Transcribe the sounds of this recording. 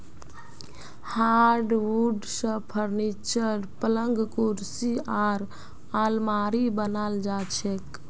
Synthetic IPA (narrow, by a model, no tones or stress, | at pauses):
haɾɖʋuɖsə̃pʰəɾnit͡ʃəɾpələŋɡkuɾsiaɾ | almaɾibənald͡ʒat͡ʃʰek